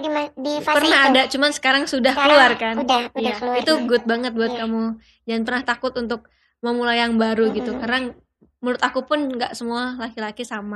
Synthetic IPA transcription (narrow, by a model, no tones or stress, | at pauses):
dipərnaɦadaʔt͡ʃumansə̥kaɾaŋsudahkəluarkanjait̪uɡʊt̪̚baŋət̪̚buat̪̚kamu | d͡ʒanpərnaht̪akʊt̪unt̪ʊk̚ | məmulajaŋbaɾuɡit̪ukaɾaŋ | mulʊt̪akupʊnŋɡaʔsəmualakilakisama